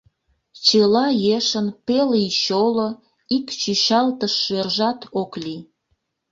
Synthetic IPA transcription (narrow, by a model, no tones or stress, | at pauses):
t͡ɕelɑjeʃənpeliʃolo | ikt͡ɕyʃɑlt̪əʃːerʒɑt̪okli